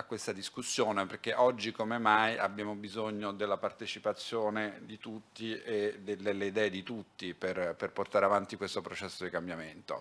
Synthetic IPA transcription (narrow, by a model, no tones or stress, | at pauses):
akːwest̪ad̪iskusːjoːneperk̟eʔɔd͡ʒːikomemaja̰bjaːmobizoɲːod̪elːapart̪et͡ʃipat̪sːjoːned̪it̪ut̪ːied̪elːelːeid̪ɛːed̪it̪ut̪ːiperperport̪aːɾeavant̪ikwest̪opɾot͡ʃɛsːod̪ikambjament̪o̰